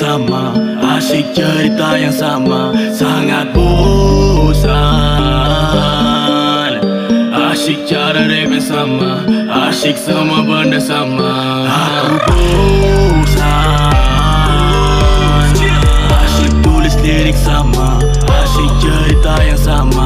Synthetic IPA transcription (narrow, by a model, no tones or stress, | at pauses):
sama | aʃik̚t͡ʃəɾit̪ajaŋsamasaŋat̪̚bo | sa | n | aʃik̚t͡ʃaɾaɖemɛsama | aʃik̚səmabənːəsama | ɦakut̪u | sa | aʃik̚t̪ulisliɾik̚sama | aʃik̚t͡ʃəɾit̪ajaŋsama